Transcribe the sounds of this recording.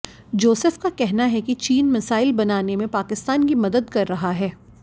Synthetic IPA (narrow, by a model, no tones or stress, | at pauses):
d͡ʒoːsəfkakɛɦnaɦɛkit͡ʃiːnmɐsaːɪlbɐnaːnemẽpaːkɪst̪aːnkimɐd̪əd̪kɐɾːɐɦaɦɛː